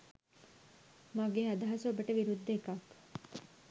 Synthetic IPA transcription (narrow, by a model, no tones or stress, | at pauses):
maɡeɦad̪ɐɦɐsobəʈəʋiɾud̪ːekɐk